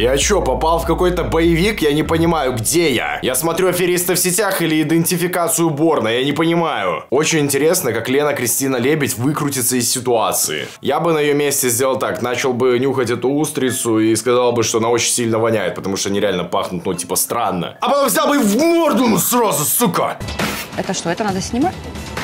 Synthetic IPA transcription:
jat͡ɕːopɐpalˠfkɐko̞jt̪əbəjɪvʲikjanʲɪpənʲɪmajʊɡdʲeja̰jasmɐt̪ɾʲuɐfʲɪɾʲist̪əfsʲɪtʲaxɨlʲɪɪd̪ɨnʲtʲɪfʲɪkat̪sɨjʊbo̞rnəjanʲɪpənʲɪmajʊ̰o̞t͡ɕɪnʲɪnʲtʲɪɾʲe̞snəkaklʲe̞nəkɾʲɪsʲtʲinəlʲebʲɪtʲvɨkɾʊtʲɪt̪səɪsːʲɪt̪ʊat̪sɨ̰ɪ̰ | jabɨnəjɪjomʲesʲtʲɪzʲdʲelˠəlˠt̪aknat͡ɕɪlˠbɨnʲuxətʲɛt̪ʊust̪ɾʲɪt̪sʊiskɐzalˠbɨʂt̪oɐnao̞t͡ɕɪnʲsʲilʲnəvɐnʲæjɪt̪̚pə̥t̪ɐmuʂt̪oɐnʲiɾʲɪalʲnəpaxnʊt̪notʲi̥pəst̪ɾanːə̰ɐpɐt̪omvzʲalˠbɨvɡord̪unʊsrazʊsukə | ɛt̪əʂt̪oɛt̪ənad̪əsʲnʲɪmatʲ

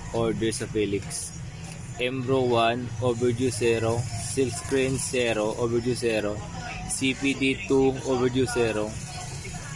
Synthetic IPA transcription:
ʔɔɹd̪ɛɹsɐfɛːlɪks | ʔɛmbɾowanʔobɛɹd͡ʒusɛːɾosɪlskɾinsɛːɾoʔobɛɾd͡ʒusɛːɾo | sipid̪it̪uʔobɛɹd͡ʒusɛːɾo

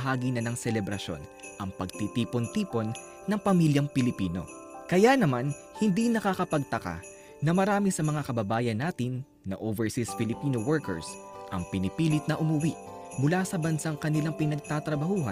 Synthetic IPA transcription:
ɦaːɡinɐnɐŋsɛlɛbɾɐʃo̞̰nʔɐŋpɐɡ̚t̪it̪iːpont̪iːpo̞nː | ɐŋpɐmiljɐŋpɪlɪpiːno̞ | kɐjanɐman | hɪnd̪inɐkakɐpɐɡ̚t̪ɐka̰ | nɐmɐɾaːmisɐmɐŋakɐbɐbaːjɐnːaːt̪ɪnː | ɐ̰ʔoːvɛɹsisfɪlɪpiːnowɛɹkɛ̰ɹsʔɐ̰ŋpɪnɪpiːlɪt̪̚nɐʔʊmʊwiʔ | mʊlasɐbɐnsaŋkɐnɪlaŋpɪnɐɡ̚t̪at̪ɾɐbɐhuːɦɐ̰

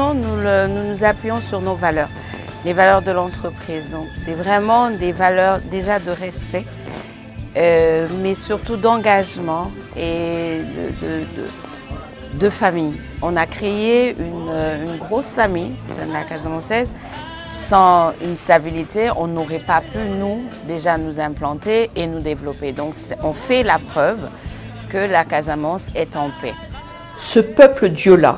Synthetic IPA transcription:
nulənunuzapɥijɔ̃syʁnovalœːʁ | levalœʁd̪əlɑ̃t̪χəpχiːzd̪ɔ̃ksɛvʁɛmɑ̃d̪evalœʁd̪eʒad̪əʁɛspɛ | ømɛsyʁt̪ud̪ɑ̃ɡaʒmɑ̃ | ed̪ə̰d̪əd̪ə̰ | d̪əfamij | ɔ̃nakχeeynøynɡʁosfamijsɛd̪lakazamɑ̃sɛz | sɑ̃ynst̪abilit̪eɔ̃noʁɛpapʰynud̪eʒanuzɛ̃plɑ̃t̪eenud̪evlɔped̪ɔ̃ksɔ̃fɛlapχœv | kəlakazamɑ̃sɛt̪ɑ̃pɛ | səpœpləd̪jola̰

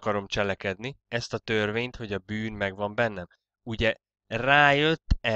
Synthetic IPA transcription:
kɒɾo̞mt͡ʃɛlɛkɛd̪niɛst̪ɒt̪ørveːɲt̪ho̞ɟɒbyːnmɛɡvɒmbɛnːɛm | uɟɛ | raːjøt̪ːɛ

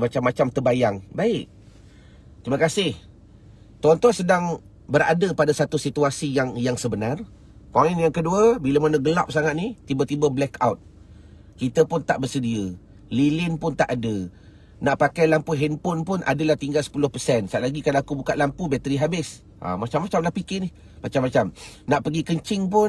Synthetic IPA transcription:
mat͡ʃamːat͡ʃamt̪əbajaŋbaɪʔ | t̪ɾiməkasɪh | t̪ɔnt̪ɔsədaŋ | bəɾa̰dəpadasat̪usit̪uasijaŋjaŋsəbənar | kaŋɛnjaŋkəduəbiləmanəɡəlap̚saŋat̪̚nit̪ibət̪ibəblɛkʰawt̪̚ | kit̪əpʊnt̪aʔbərsədiə | lilɪnpʊnt̪aʔadə | naʔpakajlampuɦɛnpʊnpʊnʔa̰dəlaht̪iŋɡalsə̥pulʊhpəsɛnsaʔlaɡikalaakubukaʔ̪lampubɛt̪əɾiɦabɪs | ʔa̰mat͡ʃamːat͡ʃamlahpikɪnɪh | mat͡ʃamːat͡ʃamnaʔpəɡikəɲt͡ʃɪŋp̬ʊn

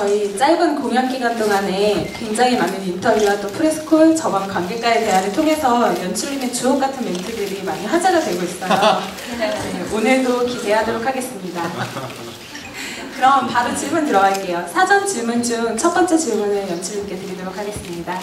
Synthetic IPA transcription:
t͡ɕʌit͡ɕ͈aɭbɯnkoŋjʌŋɡiɡwant͈oŋane̞kwe̞ŋd͡ʑaŋimanɯnintʰʌiwat͈opʰɯɾes͈ʰɯ̥kʰoɭt͡ɕʌbʌnkwaŋɡe̞k͈aeteɦanɯɭtʰoŋe̞sʰʌjʌnt͡ɕʰuɾimet͡ɕuɦʌk̚k͈atʰɯnmentʰɯdɯɾimaɲiɸwad͡ʑaɡadwe̞ɭɡois͈ʌjo | eonɯɭdokisʰe̞ɦadoɾokʰaɡe̞s͈ɯmɲida | kɯɾʌmpaɾot͡ɕiɭmuntɯɾʌɡaɭk͈e̞josʰad͡ʑʌnt͡ɕiɭmund͡ʑuŋt͡ɕʰʌp͈ʌnt͡ɕ͈et͡ɕiɭmunɯɭjʌnt͡ɕʰuɭimk͈e̞deɾidoɾokʰaɡe̞s͈ɯmɲida

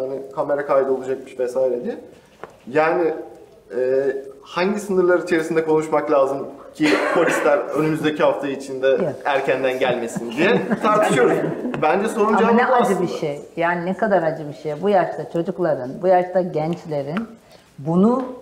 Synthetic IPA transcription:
anɪkʰame̞ɾakʰaːjd̪o̞lˠud͡ʒak̚mɯʃvɛsaːiɾed̪ijɛ | jaːnɪ | ɛːhaɲɟisɯnɯɾlˠaɾit͡ʃʰe̞ɾisind̪ɛkʰo̞nuʃmaklʲˠaːzɯmcʰikʰo̞lʲist̪lʲæɾø̞nymyzd̪e̞cʰiɦaft̪ʰait͡ʃʰind̪ɛæɾcʰænd̪ænɟælʲme̞sind̪ijɛt̪ʰaɾt̪ʰɯʃɯjo̞ɾuzbænd͡ʒɛso̞ɾunaanɛad͡ʒɯbiʃejjaːninɛkad̪aɾad͡ʒɯbiʃejbujaʃt̪at͡ʃʰo̞d͡ʒuklˠaɾɯnbujaʃt̪ʰaɟɛnt͡ʃlʲe̞ɾin | bunu

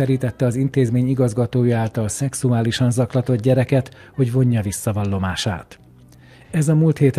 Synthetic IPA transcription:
ɛɾiːt̪ɛt̪ːɛɒzint̪eːzmeːɲiɡɒzɡɒt̪oːjaːlt̪ɒlsɛksuaːliʃɒnzɒklɒt̪o̞d̪̚ɟɛɾɛkɛt̪ | ho̞ɟvo̞ɲːɒvisːɒvɒlːo̞maːʃa̰ːt̪ | ɛzɒmuːlt̪heːt̪

